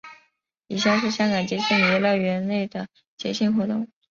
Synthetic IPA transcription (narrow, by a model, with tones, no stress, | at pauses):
i˨˩ɕjɑ˥˧ʂɻ̩˥˧ɕjɑ˥ŋkɑ˨˩ŋt͡ɕjɛ˧˥ɕʰi˥˩ŋ˨˩ɛ˧˥lɑ˥˩ɥɛ˧˥nle˥˩ɪd̪ə˩ | t͡ɕjɛ˧˥ɕi˥˩ŋxwɔ˧˥t̪ʊ˥˩ŋ